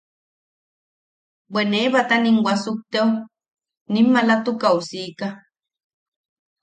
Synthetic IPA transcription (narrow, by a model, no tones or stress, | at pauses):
bweneːβat̪aniŋwʷasuk̚t̪eu | nimːalat̪ukausiːka